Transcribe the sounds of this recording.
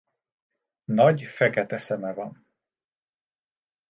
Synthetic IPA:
nɒɟfɛkɛt̪ɛsɛmɛvɒn

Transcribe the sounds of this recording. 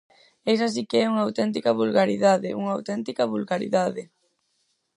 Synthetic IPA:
ejs̬as̬ikɪɛuŋɐawt̪ɛnt̪ikɐβulɣaɾiðaðɪʔuŋɐːwt̪ɛnt̪ikɐβulɣaɾḭðaðɪ

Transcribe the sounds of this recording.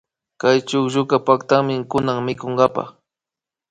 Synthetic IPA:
kajt͡ʃʊkʒʊkapakt̪amɪkʊnaŋmɪkoŋɡapa̰χ

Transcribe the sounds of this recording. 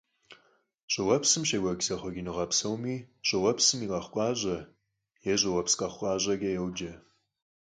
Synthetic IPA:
ɕʼɪwɐpsɨmʃɐɡʷɐɡsɐχʷɔɡʲinɨʁɐpsɐwmiːɕʼɪwɐpsɨmiːqʼɐχʷkʷʼɑːʑɐ | jɛʑʼɪwɐpsqʼɐχʷqʷʼɑːʑʼɐɡɐjɛwd͡ʒɐ

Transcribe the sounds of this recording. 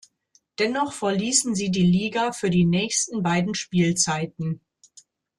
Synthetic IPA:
d̥ɛnɔχfɛɐliːsn̩ziːdiːliːɡafyːɐdiːnɛːçstn̩baɪdn̩ʃpiːlt͡saɪtn̩

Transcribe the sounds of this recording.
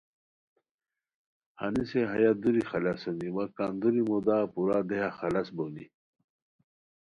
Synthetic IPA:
hɐ̰niseɦɐjad̪uɾixɐlasɐniwakand̪uɾimod̪aːpuɾad̪ejaxɐlɐsbonḭ

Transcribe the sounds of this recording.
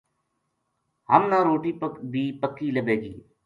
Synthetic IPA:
ɦə̰mnãːɾoːʈiːpəkbʱiːpəkːiːləbeːɡḭː

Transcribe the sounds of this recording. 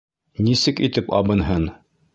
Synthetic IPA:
nisɘkit̪ɘpɑ̰bɤ̆nɦɤn

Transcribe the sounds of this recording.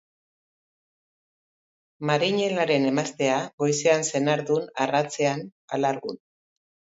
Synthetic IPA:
maɾiɲe̞laɾe̞ne̞mast̪e̞aɣo̞jseanse̞naɾðunarat͡se̞analaɾɣun

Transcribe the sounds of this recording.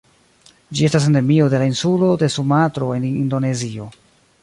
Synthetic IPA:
d͡ʒie̞stas̬ende̞mio̞de̞lainsulo̞de̞sumatɾo̞e̞nindo̞ne̞zio̞

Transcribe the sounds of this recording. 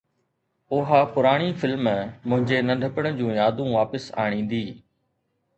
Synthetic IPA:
ʊɦapʊɾaːɽ̃ifɪlmmʊ̃ɦɪ̃ɲd͡ʑenɐɖʱəpəɽ̃ə̆d͡ʑũːjaːd̪ũʋaːpəsa̰ːɽ̃ĩːn̆d̪iː

